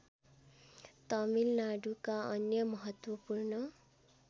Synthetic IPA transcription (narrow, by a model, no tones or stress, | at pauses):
t̪ʌmilnaɖukaʌnjʌmʌɦʌt̪wʌpurnʌ